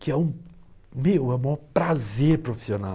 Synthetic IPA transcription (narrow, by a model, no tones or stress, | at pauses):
kɪɛũ | mewɛ̃mɔpɾazeɾpɾofi̥siona̰